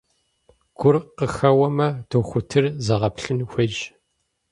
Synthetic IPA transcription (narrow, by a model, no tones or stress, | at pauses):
ɡ̥ʷʊrqəxɐwɐmɐd̥oxʷʊtʰɨrzɐʁɐpɬɨnxʷɐd͡ʒ